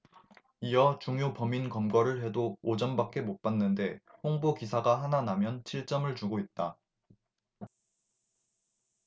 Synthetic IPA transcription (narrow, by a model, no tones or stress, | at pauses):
ijʌt͡ɕuŋjopʌminkʌmɡʌɾɯɭhe̞doːd͡ʑʌmbak͈e̞mop͈anːɯnde̞ɸoŋbokisʰaɡaɦananamjʌnt͡ɕʰiɭt͡ɕ͈ʌmɯɭt͡ɕuɡoit̚t͈a